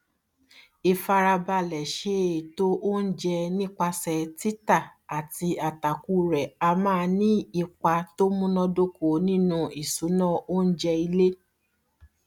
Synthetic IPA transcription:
i˧fa˧ɾa˧ba˧lɛ˨ʃe˨˦e˨to˦ʔo˦n̩˦d͡ʒɛ˧nĩ˦k͡pa˧sɛ˨˧ti˦ta˦˨a˨ti˧a˨ta˨ku˨˧ɾɛ˨a˧mã˦˧nĩ˦i˧k͡pa˧to˦mũ˦nɔ̃˧do˦ko˨˦nĩ˦nũ˧i˨su˨˦nã˦o˦n̩˦d͡ʒɛ˧i˧le˦

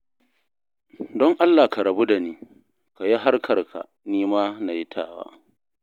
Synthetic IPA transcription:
dɔ˦ŋʔa˦lːaː˨ka˨ɾɐ˨bu˦da˨niː˦ | ka˨ji˦ɦa˦rkʰɐ˨rkʰa̰˨ | niː˦maː˦na˨ji˦tʰa̰ː˦˨wa̰ː˦

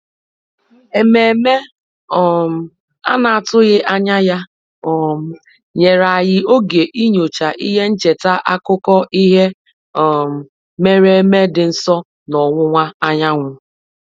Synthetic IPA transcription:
e˨me˨me˦ | ɔ˨m̩˨ | a̰˦na˨a˨tʊ˦ɣɪ˦ʔa˦ɲa˦ja˦ | ɔ˨m˨ | ɲe˨ɾa˨ɣɪ˦o˦ɡe˨ʔi˦ɲo˨t͡ʃa˨ʔi˦ɦe˦n̩˦t͡ʃe˨ta˦ʔa˦kʊ˦kɔ˦ʔi˦ɦe˦ | ɔ˨m̩˨ | me˦ɾe˦me˦dɪ˨n̩˦sɔ˦ | nɔ˨ŋʷʊ˦ŋʷa˦a˦ɲa˦ŋʷʊ˦

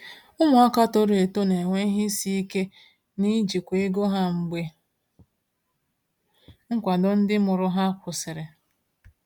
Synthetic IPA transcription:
ʊ˦mʊ˨ɔ˦ka˦to˦ɾe˨to˦ne˨ŋʷe˦ɦɪ˦si˦i˦ke˦ | ni˦d͡ʒi˨kʷe˨e˦ɡo˦ɦa˦ŋ͡m̩˨ɡ͡be˦ | ŋ̩˦kʷa˨dʊ˦n̩˦dɪ˦mʊ˨ɾʊ˦ɦa˦kʷʊ˨sɪ˨ɾɪ˨

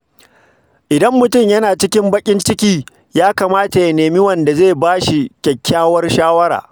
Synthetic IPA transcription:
ʔɪ˨dɐ˦mːʊ˨tʊ˦˨mjɐ˦naː˨t͡ʃɪ˦kʲɪ˦mbɐ˦kʲʼɪ˦nt͡ʃɪ˦kʲiː˦ | jaː˦kaː˨maː˦ta˨ja˨neː˨mi˦wɐ˨nda˨zeː˦˨baː˦ʃi˨kʲɛ˨kʲʰːaː˦wɐ˦rʃaː˦wɐ˦ɾa̰ː˨

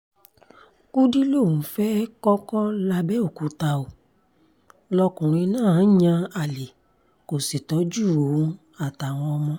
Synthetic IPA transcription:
ku˦di˦lo˦˨ũ˨˦fɛ˦kɔ˦kɔ˦la˧bɛ˦o˦˨ku˨˧ta˧o˨ | lɔ˧kũ˨ɾ̃ĩ˧nãː˦˨˦ɲã˧a˨le˨ | ko˨si˨tɔ˨˦d͡ʒu˦˨õ˨˦ | a˨ta˨w̃ɔ̃˧ɔ˧mɔ̃˧

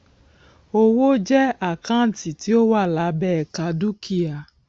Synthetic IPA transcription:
o˦wo˦d͡ʒɛ˦a˨kã˦˨˦ti˨ti˦o˦wa˦˨la˨˦bɛ˦˨ka˨˦du˦ki˦a˨

